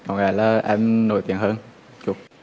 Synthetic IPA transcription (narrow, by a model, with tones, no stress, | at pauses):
kɔ˨˩ŋaː˨˩laː˨˩ʔɛ˧mno̰˨˧˩jt̪ḭ˨˧˨ənhəː˧n | t͡ɕu˨˩ək̚